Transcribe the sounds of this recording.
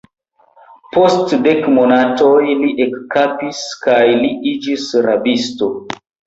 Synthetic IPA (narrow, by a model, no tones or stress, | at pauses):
postdekmonatojliʔekːapiskajliid͡ʒisɾabisto̞